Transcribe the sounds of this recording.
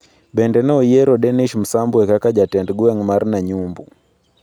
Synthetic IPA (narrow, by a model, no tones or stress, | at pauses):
bɛndɛnɛɔjɛɾɔɗɛniʃm̩sambuɛkakad͡ʒatɛndɡuɛŋmaɾnaɲumbṵ